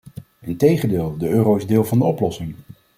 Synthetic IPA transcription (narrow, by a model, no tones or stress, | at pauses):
ɪntejχəndeːlˠdəøːrowɪzdɪːlˠvɑndəɔplɔsɪŋ